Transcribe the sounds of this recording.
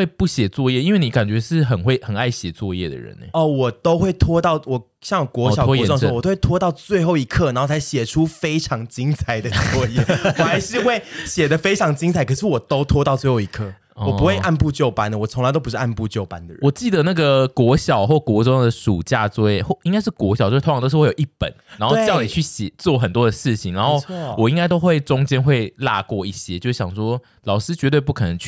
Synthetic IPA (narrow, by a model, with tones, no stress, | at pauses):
we˥˧ɪpu˥˩ɕjɛ˨˩t͡swɔ˥˧jɛ˥˩i˥nwe˥˩ni˨˩˥ka˨˩nt͡ɕɥɛ˧˥ʂɻ̩˥˩xə˨˩nxwe˥˩ɪxə˨˩na˥˩ɪɕjɛ˨˩t͡swɔ˥˧jɛ˥˩d̪ə̰˩ɻə̰˧˦nḛ˨˦ɔ˥˩wɔ˨˩t̪o˥ʊxwe˥˩ɪt̪ʰwɔ˥t̪ɑ˥˨ʊwɔ˨˩ | ɕjɑ˥ŋjo˨˩kwɔ˧˥ɕɑ˨ɔ˧˦wŋ˨˧˥o˥wt̪ʰwɔ˥t̪ɑ˥˧ʊt͡swe˥˧ɪxo˥˩ʊi˧˥kʰə˥˩n˨˧˦n˥˩t͡sʰa˧˥ɪɕjɛ˨˩ʈ͡ʂʰu˦˥fe˥ɪʈ͡ʂʰɑ˧˥ŋt͡ɕi˦ŋt͡sʰa˨˩ɪd̪ə˩t͡swɔ˥˧jɛ˥˩wɔ˨˩xa˧ɪʂɻ̩˥˧xwe˥˩ɪɕjɛ˨˩d̪ə˨fe˥ɪʈ͡ʂʰɑ˧˥ŋt͡ɕi˥ŋt͡sʰa˨˩ɪkʰə˨˩ʂ̬ɻ̩˥˩˨wɔ˨˩t̪o˥ʊt̪ʰwɔ˥t̪ɑ˥˧t͡swe˥˩ɪxo˥˩i˧˦kʰɤ˥˩ | ɔwɔ˨˩pu˧˦xwe˥˧ɪʔa˥˧npu˥˧t͡ɕjo˥˧ʊpa˥nd̪ə˨wɔ˨˩t͡sʰo˧˥ŋla˧ɪt̪o˥ʊpu˧˥ʂɻ̩˥˩a˥˧npu˥˧t͡ɕjo˥˨˩ʊpa˦nd̪ə̰˨ɻə˧wɔ˨˩t͡ɕi˥˩d̪ə˩na˥˩ɡə˩kwɔ˧˥ɕjɑ˨˩ʊxwɔ˥˩kwɔ˧˥ʈ͡ʂɔ˥ŋd̪ə˨˩ʂṵ˨˩t͡ɕja˥˧t͡swɔ˥˧˥xwi˥ŋka˥ɪʂɻ̩˥˩kwɔ˧˥ɕɑ˨˩t͡ɕo˥˧˥wjo˨˩i˥˩pə̰˨˦nna˧˥nxo˧˥˧ni˨˩t͡ɕʰy˥˩ɕjɛ˨˩t͡swɔ˥˩xə˨˩nt̪wɔ˦d̪ə˨ʂɻ̩˥˩t͡ɕʰi˨˩ŋna˧˦nxo˥˩wɔ˨˩i˦ŋka˥ɪt̪̬o˥ʊxwe˥˩ɪʈ͡ʂʊ˥ŋt͡ɕjɛ˥nxwe˥˧ɪla̰˥˧kwɔ˥˧i˥˩ɕjɛ˥t͡ɕjo˥˧ʊʂ̩˥˩ɕɑ˨˩ŋʂwɔ˥ | lɑ˨˩ʊʂɻ̩˥t͡ɕɥɛ˧˥t̪̬we˥˧ɪpu˥˩kʰɤ˨˩nə˧˦ŋt͡ɕʰ